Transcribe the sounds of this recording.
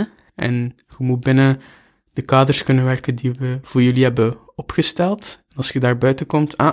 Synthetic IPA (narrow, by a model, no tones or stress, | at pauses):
ʔɛ̰n | xəmut̚bɪnə | d̥əkaːdərskɵnənʋɛrkəndiʋəv̥ʊːɹjɵliɦɛbə | ɔpxəstɛlˠtɛnɑlˠsxədaːɹbœɥtəkɔmtʰa